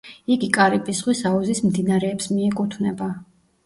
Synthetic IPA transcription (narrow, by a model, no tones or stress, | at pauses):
iɡikʼaɾipʼisʁwisauzismd̪inaɾɛːpsmiɛkʼut̪ʰvnɛba